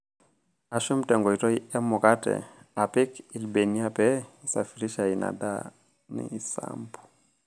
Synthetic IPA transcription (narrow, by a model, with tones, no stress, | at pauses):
a˨ʃu˦m̩tɛ˨ŋɡɔ˨i˨tɔ˦i˦ɛ˦mu˨ka˦tɛ̰˨a˨pi˦ki˨lbɛ˨ni˦a˦pɛ˦isa̰˨fi˨ɾi˦ʃa˨i˨na̰˨da̰˦ | nḭ˨i˨sa̰mpu̥